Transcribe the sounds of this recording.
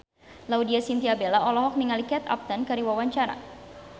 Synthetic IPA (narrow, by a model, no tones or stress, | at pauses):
laudiasint̪iabelaʔɔlɔɦɔk̚niŋalikɛt̪a̰p̚t̪ənkaɾiwawaɲt͡ʃaɾa̰